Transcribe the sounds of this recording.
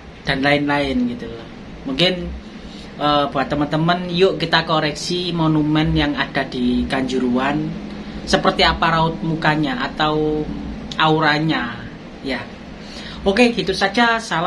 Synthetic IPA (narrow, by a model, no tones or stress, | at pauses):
d̥a̤nlaɪnlaɪnɡit̪ulɔh | muŋkɪn | ʔəbṳat̪əmənt̪əmənijʊʔkit̪akoɾɛksimonumɛnjaŋad̥a̤d̥ikaɲd͡ʒuɾuansəpərt̪iapaɾaʊt̪̚mukaɲaʔat̪aw | ʔauɾaɲa | ja | okeɡi̤t̪usḁd͡ʒasala